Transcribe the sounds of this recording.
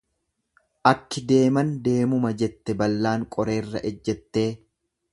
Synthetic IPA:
ʔɐkːɪd̪e̞ːmɐnd̪e̞ːmʊmɐd͡ʒɛt̪ːɛbɐlːaːŋkʼɔɾe̞ːrːɐ̰ʔɛd͡ʒːɛt̪ːe̞ː

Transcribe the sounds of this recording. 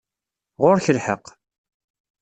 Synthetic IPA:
ʁʊɾçəlħə̰q

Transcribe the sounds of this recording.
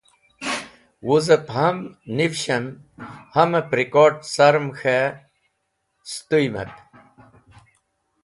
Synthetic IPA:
wuzəphɐmnivɕɐn | hɐmepɾikoʈsɐɾmxʰe | st̪ujmḛp

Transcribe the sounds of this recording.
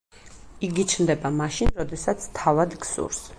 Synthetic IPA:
iɡit͡ʃʰnd̪ɛbamaʃinɾɔd̪ɛsat̪sʰt̪ʰavad̪ɡsṵɾs

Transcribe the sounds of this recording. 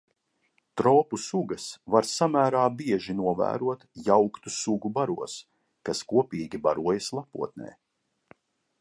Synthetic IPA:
t̪ɾɔːpusuɡɐsvaɾsamæːɾaːbiɛʒinuɔvæ̰ːɾuɔt̪jawkt̪usuɡubaɾuɔs | kaskuɔpʲiːɡʲibaɾuɔjɐslˠapṵɔt̪̚nḛː

